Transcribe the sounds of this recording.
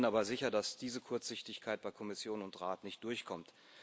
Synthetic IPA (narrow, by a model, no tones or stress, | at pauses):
nʔaːbɐzɪçɐdasd̥iːzəkʰʊɐt͡sz̥ɪçtɪçkʰaɪt̚b̥aɪkʰɔmɪsjoːnʊntʁaːtnɪçt̚d̥ʊɐçkʰɔmt